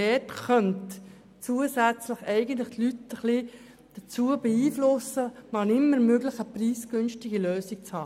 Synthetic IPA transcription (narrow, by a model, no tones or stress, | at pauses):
ɛːtχœnt | t͡suəsæt͡slɪχɛɪɡəntlɪχtlytəχli | d̪̥ət͡suəbɛiːflʊsəmɑnɪmːəɾmøɡlɪχəpriːsɡ̥ʏnʃtɪɡiløːsɪk̚t͡shɑː